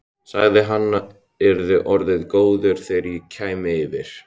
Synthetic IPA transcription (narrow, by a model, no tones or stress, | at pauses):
saɣðɪɦanːa | ɛɾðʏʔɔɾðɪðkoːwðʏɾ̥θejɾjɛcʰaːjmɪvɪɾ̥